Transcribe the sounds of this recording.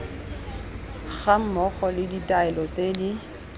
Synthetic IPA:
ɣam̩mɔɣɔlɪditʼaɛlɔt͡sʼedi

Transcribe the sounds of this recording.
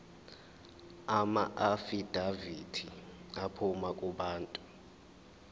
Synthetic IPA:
ama̰ʔafid̥ʱavitʰiapʰumakʼuɓaːntʼu

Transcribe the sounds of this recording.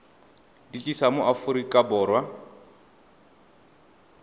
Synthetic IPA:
dit͡ɬʼisamʊʔafuɾikʼabɔːrwa

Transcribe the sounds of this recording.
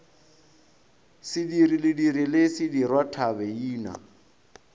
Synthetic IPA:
sɪdiɾilɪdiɾilɪsɪdirwatʰabɛiːna̰

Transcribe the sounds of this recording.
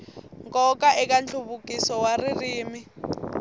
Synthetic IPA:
ŋkʼɔkʼaʔɛk̬ʼand͡ɮʰuβukʼisɔwaririːmi

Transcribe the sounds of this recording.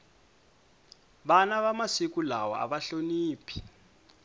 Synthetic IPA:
ɓanaɓamasikulawɔ̰a̰ɓaɬoniːpʰi̥

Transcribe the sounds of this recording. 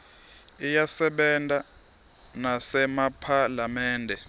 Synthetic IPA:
ijasɛɓɛntʼa | nasɛmapʰalamɛːndʱɛ

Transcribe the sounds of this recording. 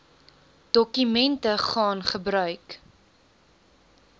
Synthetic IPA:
d̥ɔkymɛntəχɑːnχəbɾœɥk

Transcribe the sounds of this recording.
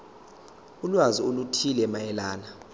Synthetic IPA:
ulwaziolutʰilɛmajɛlaːna

